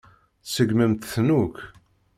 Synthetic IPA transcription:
səɡmæmt̪θnuk

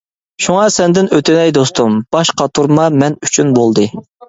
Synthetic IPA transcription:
ʃuŋɑsɛnd̪ɪnøt̪ʰɪnɛjd̪ost̪ʰumb̥ɑʃqʰɑt̪ʰuɾmɑmɛnyt͡ʃʰynbolˠd̪ɨ

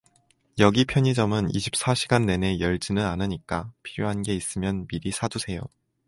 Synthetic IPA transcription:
jʌɡipʰjʌɲid͡ʑʌmɯnḭɕʰi̥p̚s͈aɕʰiɡanːe̞ne̞jʌɭd͡ʑinɯnanɯɲik͈apʰiɾjoɦanɡe̞is͈ɯmjʌnmiɾisʰadusʰe̞jo̰

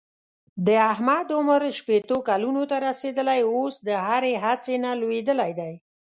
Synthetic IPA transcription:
d̪əaɦmad̪ʊməɾʃpet̪okalunot̪aɾased̪əlajosd̪əɦaɾeɦat͡senalwed̪əlajd̪aj

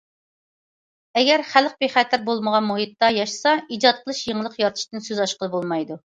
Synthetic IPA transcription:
ɛɡʲɛɾχæləq̚beχæːt̪ʰæɾ̚bolˠməʁɑnmuɦit̪ːɑjɑʃsɑid͡ʒɑt̪̚qʰəlˠɨʃjeŋlˠəqjɑɾt̪ʰɨ̥ʃt̪ɨnsøzɑʃqəlˠɨbolˠmɑjd̪u

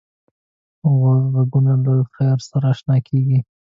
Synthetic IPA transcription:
ɣozbaɡunalojxajɾsaɾɑːʃnɑkʰeɡi

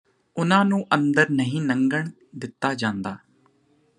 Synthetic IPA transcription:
ʊnãːnũːʔə̃nd̪əɾnəɦĩːnəŋɡəɳ | d̪ɪt̪ːaːd͡ʒãːnd̪aː

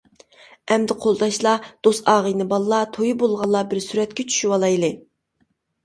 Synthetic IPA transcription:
ɛmd̪ɪqʰolˠd̪ɑʃlˠɑd̪̥osɑːʁəjnɨbɑlˠlˠɑt̪ʰojibolˠʁɑlˠːɑbɪɾsyɾɛt̪̚kʲɛt͡ʃʰy̥ʃywɑlˠɑjlˠɨ

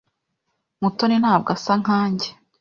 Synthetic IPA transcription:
muto̞nin̥haːb̚ɡasaŋaːɲɟe

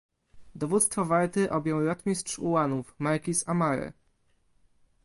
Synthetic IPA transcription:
d̪ɔvut̪st̪fɔvaɾt̪ɘʔɔbʲjɔ̃wɾɔt̪mʲistʂuwanufmaɾkʲisamaɾɘ̰

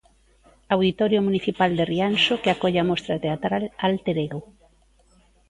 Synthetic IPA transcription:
awðit̪ɔɾjomuniθipald̪eriansokeakoʎeamɔst̪ɾat̪eat̪ɾalalt̪eɾeɣo

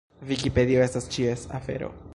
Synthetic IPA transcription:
vikipe̞d̪io̞e̞stast͡ʃiesa̰fe̞̰ɾo̰

